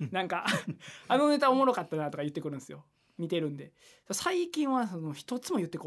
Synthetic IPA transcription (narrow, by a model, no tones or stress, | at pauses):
nãŋkaanonet̪aomoɾo̞kat̪ːanat̪o̞kajɯ̟t̪ːe̞kɯɾɯ̟nsɨjo̞ | mʲit̪e̞ɾɯ̟̃nd̪e̞ | sosaikʲĩɰ̃βasono̞çi̥t̪o̞t͡sɨmo̞jɯ̟t̪ːekː